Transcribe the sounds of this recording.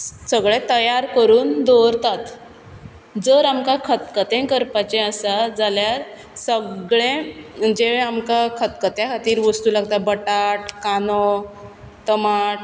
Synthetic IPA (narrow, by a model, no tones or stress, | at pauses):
səɡɭet̪əjaɾkəɾuːnd̪oɾt̪at̪ | d͡zəɾamkakʰət̪kət̪ẽkəɾpat͡ɕɛ̃əsad͡zaljaɾ | səɡɭẽd͡ʑeʋeamkakʰət̪kət̪jakat̪iːɾʋəst̪ulaɡt̪abəʈaʈkanɔ | t̪əmaʈ